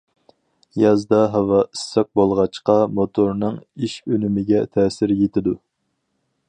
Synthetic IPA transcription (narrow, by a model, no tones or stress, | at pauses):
jɑzd̪ɑɦɑwɑisːɛq̚bolˠʁɑt͡ʃqɑmot̪ʰoɾnɨŋiʃønymɪɡʲɛt̪ʰɛːsɪɾjet̪ɪd̪u